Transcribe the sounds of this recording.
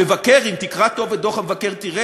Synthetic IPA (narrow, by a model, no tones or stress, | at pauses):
evakeʁimt̪ikʁat̪o̞ved̪o̞χamevakeʁt̪iʁe